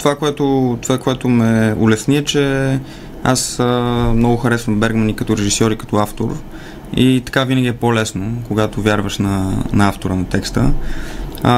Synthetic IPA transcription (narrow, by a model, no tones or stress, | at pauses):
t̪ovakoɛt̪ot̪ovakoɛt̪omɛʊlɛsniɛt͡ʃɛ | a̰səmnɔɡʊxɐɾɛsvəmbɛɾɡmɐnikɐt̪ɔɾɛʒisɔɾikɐ̥t̪ɔaft̪o̰ɾ | it̪ɐ̥kavinəɡʲiɛpolɛsnokoɡat̪ovʲjaɾvəʃnɐnɐaft̪oɾənɐt̪ɛkst̪ə